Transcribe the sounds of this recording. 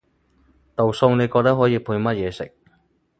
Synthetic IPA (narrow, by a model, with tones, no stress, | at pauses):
t̪o˨wsʊ˧ŋne˨˧jkɔː˧k̚t̪ɐ˥ɦɔː˨˥jiː˧pʰuː˧jmɐ˥t̚jɛː˨˧sɪ˨k̚